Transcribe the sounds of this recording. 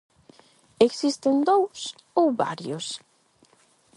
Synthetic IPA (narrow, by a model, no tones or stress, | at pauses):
eksist̪end̪ows | owβa̰ɾjʊs